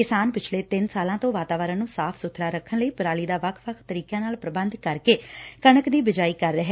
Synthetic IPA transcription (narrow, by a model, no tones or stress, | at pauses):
kɪsaːnpɪt͡ʃʰleːt̪ɪnsaːlãːt̪õːʋaːt̪aːʋəɾãːnũːsaːpʰsʊt̪ʰːɾaːɾəkʰːənləiːpɾaːliːd̪aːʋəkʰʋəkʰt̪əɾiːkjãːnaːlpɾəbənd̪kəɾkeːkəɳəkd̪iːbɪd͡ʒaːiːkəɾːəɦɛː